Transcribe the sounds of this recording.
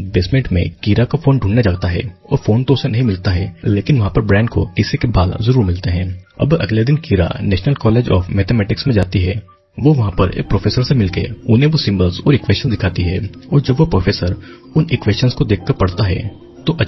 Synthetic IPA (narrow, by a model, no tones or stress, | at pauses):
beːsmẽːɳʈmḛ̃kiːɾakafoːnɖʱũːnːad͡ʒaːɡt̪aɦɛ̰ɔ̰ːɾfoːnt̪õsenɐɦĩmɪlt̪aɦɛːleːkɪnʋɐɦãpɐɾbɾɛ̃ːɳɖko̰kɪsekebaːl̰zɐɾuːɾmɪlt̪eɦɛ̃ːɐ̰bɐ̰ɡled̪ɪnkiːɾa̰nɛːʃnəlkɔːleːd͡ʒɔ̰ːfmɛːt̪emɛːʈɪksmẽd͡ʒaːt̪iɦɛ | ʋoʋɐɦãpɐɾḛːpɾoːfʰeːsəɾsemɪlkḛʊnɦẽʋosɪ̃mbəlzɔːɾɪkʋeːʃənsd̪ɪkʰaːt̪iɦɛːɔːɾd͡ʒɐbʋopɾoːfʰeːsəɾ | ʊnɪkweːst͡ʃənskod̪eːk̚ʰkːəɾpɐɽ̤t̪aɦɛ̰ | t̪oʔɐ